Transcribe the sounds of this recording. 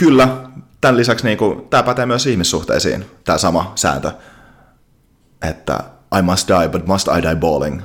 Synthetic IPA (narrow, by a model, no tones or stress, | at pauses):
kylːæt̪ænlisæksniːŋkut̪æːpæt̪emyøsihmisːuht̪ḛːsḭːnt̪æːsɑmɑsæ̰ːnt̪ə | ʔet̪ːæ̰ʔɑjmɑst̪̚d̥ɑjbɑt̪̚mɑst̪ɑ̰jdɑjboːlḭŋ